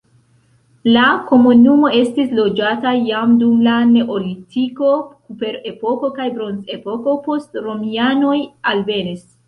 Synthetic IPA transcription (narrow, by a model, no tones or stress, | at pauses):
lako̞munumo̞e̞stislo̞d͡ʒatajamdumlane̞ʔolitʰiko̞kupe̞ɾe̞po̞ko̞kajbɾo̞nze̞po̞ko̞po̞stɾo̞miano̞jalve̞nis